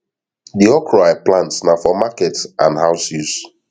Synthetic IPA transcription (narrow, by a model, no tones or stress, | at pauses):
diɔkʰɹaɪplãntsnafɔmakɛtsãnɦaʊsiz